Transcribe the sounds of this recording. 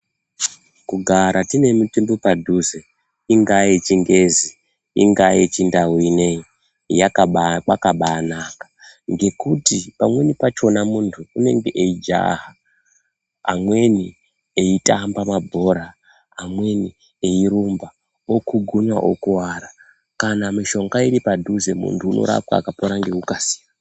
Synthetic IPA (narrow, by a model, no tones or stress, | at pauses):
kuɡʱaɾʔatine̞mutembopadʱuze | iŋɡajet͡ʃiŋɡe̞zi | ḭŋɡajet͡ʃindawinei | jakakakaɓaːnakḁ | ŋɡe̞kutipamwe̞nipat͡ʃo̞namuntʰuːne̞ŋɡeʔeid͡ʒa̰ɦa | mwe̞ni | eitambamabʱo̞ɾaː | mwe̞ni | eiɾumba | okuɡʱuɲwaʔo̰kuwaɾa | kanamiʃo̞ŋɡaiɾipadʱuze̞mṵntʰuːno̞̰ɾa̰p̚wa̰ːkapoɾaŋɡeukasiːan